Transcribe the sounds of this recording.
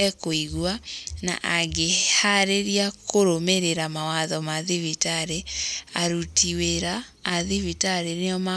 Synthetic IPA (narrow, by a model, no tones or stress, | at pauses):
ɛkoiɣwana̰ʔaɣehaɾeɾiakoɾomeɾeɾamawaðɔmaðivitaɾeaɾutʰiweɾaː | ðivitaɾeneɔma